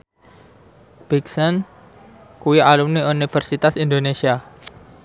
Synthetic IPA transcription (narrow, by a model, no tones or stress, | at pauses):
b̥iksən | kuialumniunifərsit̪asind̪onesia